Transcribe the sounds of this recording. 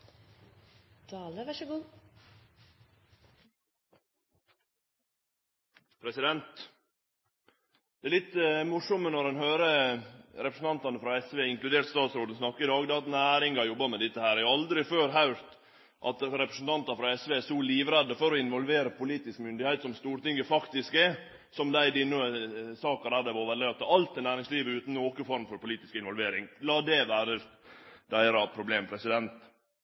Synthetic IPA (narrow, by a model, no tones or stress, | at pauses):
t̪ʰɑːləʋæʂəɡuː | pʰɾɛsɪd̪ɛnt̪ | d̪̥ɛæɾlɪt̪ːəmʊʂɔmənɔɾɛnhøːɾəɾɛpɾəsn̩t̪ɑnt̪ɑnəfɾɑɛsʋeːɪŋklʉd̪eːɾt̪st̪ɑːt̪sɾoːd̪n̩snɑkːəɪd̪ɑːɡd̪ɛːɑt̪næːɾɪŋɡɑjɔbːɑmɛd̪ɪt̪ːəhæːɾæɾjɑld̪ɾɪføːɾɦɑʉɾt̪ | ʔɑt̪ɾɛpɾəsən̩t̪ʰɑnt̪ɑfɾɑɛsʋeːɛsɔliːʋɾɛd̪ːəfɔɾɔɪnʋɔlʋeːɾəpʊliːt̪ɪskmʏnd̪ɪhæɪt̪sɔmst̪uːɾt̪ɪŋːəfɑkt̪ɪskɛ | sɔmd̪æɪd̪ɪnːuəsɑːkɑɾæːɾd̪ɛʋoːʋɛlɛt̪ːɑɑlt̪ːɪnæːɾɪŋsliːʋəʉːt̪n̩oːkəfɔɾmfɔɾpʊliːt̪ɪskɪnʋɔlʋeːɾɪŋlɑːd̪ɛʋæːɾə | d̪æɪɾɑpʰɾʊbleːmpʰɾɛsɪd̪ɛnt̪